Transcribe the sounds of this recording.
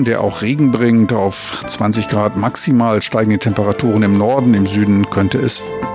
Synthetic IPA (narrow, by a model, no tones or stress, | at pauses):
deːɐʔa̰ʊxʁeːɡŋ̩bʁɪŋtaʊf | t͡sv̥ant͡sɪçɡ̥ʁaːtmaksimaːlʃtaɪɡŋ̩dətʰɛmpəʁatʰuːʁ̞ənɪmnɔɐdn̩ɪmzyːdn̩kʰœntəɛs